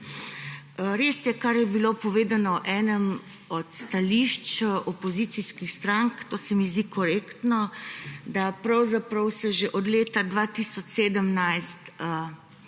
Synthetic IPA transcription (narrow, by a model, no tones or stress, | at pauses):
ɾeːsjɛkaɾjɛbilopɔʋeːd̪anɔʔɛːnəm | ɔt̪st̪aliʃt͡ʃʔɔpɔzit̪siskixst̪ɾaŋkt̪oːsɛmizd̪ikɔɾeːkt̪nɔd̪apɾawzapɾɐwsɛʒeʔɔd̪leːt̪ad̪ʋat̪isɔt͡ʃseːd̪əmnajst̪